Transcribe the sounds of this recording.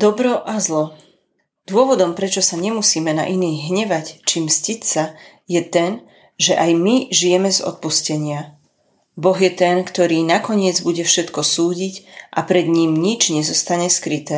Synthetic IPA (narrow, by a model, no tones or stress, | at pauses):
d̪̥ɔbɾɔʔazlɔ | d̪̥ʊɔʋɔd̪ɔmpɾɛt͡ʃɔsaɲɛmusiːmɛna̰ʔiniːɣɦɲɛʋact͡ʃimscicsa | jɛt̪ɛn | ʒɛʔajmiʒijɛmɛzɔ̰t̪̚puscɛɲɪa | bɔɣjɛt̪ɛnkt̪ɔɾiːnakɔɲɪɛd͡zbuɟɛfʃɛt̪kɔsuːɟicʔa̰pɾɛd̪ɲiːmɲid͡ʒɲɛzɔst̪aɲɛskɾit̪ɛː